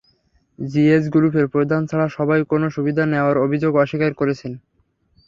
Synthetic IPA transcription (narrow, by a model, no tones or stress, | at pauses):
d͡ʑiesɡuɾupʰeɾpɾod̪ʱant͡ɕʰaɭaʃɔbajkonoʃubid̪ʱaneoaɾobʱid͡ʑoɡɔʃikaɾkoɾet͡ɕʰen